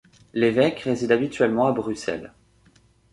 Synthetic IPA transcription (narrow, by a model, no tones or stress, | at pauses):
levɛkʁezid̪abit̪ɥɛlmɑ̃abʁysɛ̰l